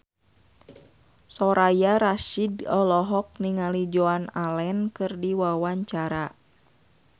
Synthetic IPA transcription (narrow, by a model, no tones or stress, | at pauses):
sɔɾajaɾaʃidɔlɔɦɔk̚niŋalid͡ʒoanalɛnkɨrdiwawaɲt͡ʃaɾa